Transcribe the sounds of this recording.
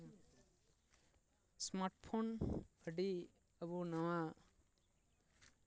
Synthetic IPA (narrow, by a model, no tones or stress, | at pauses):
smaɾʈpʰonbʰʱʌɖi | ʌbunʌwã